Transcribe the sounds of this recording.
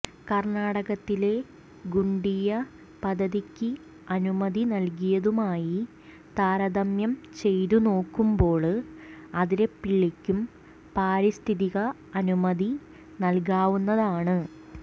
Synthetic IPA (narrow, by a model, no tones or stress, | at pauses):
kɐrnaːɽɐɣɐt̪ːile̞ | ɡuɳɖijɐ | pɐd̪ʱːɐðikʲːɨ | ɐnumɐðinɐlk̬ijɐðumaːji | t̪aːɾɐd̪ɐmjɐmt͡ɕe̞jt̪uno̞ːkːumbo̞ːɭɨɐðiɾe̞pːiɭːikʲːum | paːɾist̪ʰiðiɣɐ | ɐnumɐði | nɐlk̬aːʋunːɐðaːɳɨ